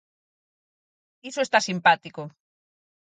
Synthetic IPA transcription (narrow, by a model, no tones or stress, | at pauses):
isoest̪asimpat̪iko